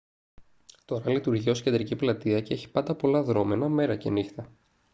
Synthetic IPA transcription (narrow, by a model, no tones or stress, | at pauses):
t̪o̞ɾɐlit̪uɾʝiosced̪ɾiciplɐt̪iɐcee̞çi̥pɐnd̪ɐpo̞lɐðɾo̞me̞nɐme̞ɾɐce̞̰nixt̪ɐ